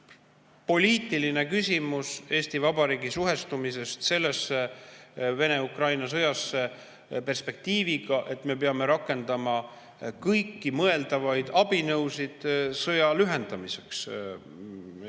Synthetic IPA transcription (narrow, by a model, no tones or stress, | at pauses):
po̞lʲiːt̪ːˑiline̞kysʲimuse̞ːst̪ivɑbɑɾiːɡisuɦe̞st̪umise̞st̪se̞lːe̞sːe | ve̞ne̞ukrɑjnɑsɤ̞jɑsːe̞ | pe̞rspe̞k̚t̪iːviɡ̥ɑʔe̞t̪ːˑme̞peɑme̞ɾɑkːˑe̞nd̪ɑmɑ | kɤjkːimɤe̞ld̪ɑvɑjd̪̥ɑb̥inɤwsid̪̥sɤjɑlyɦe̞nd̪̥ɑmise̞ks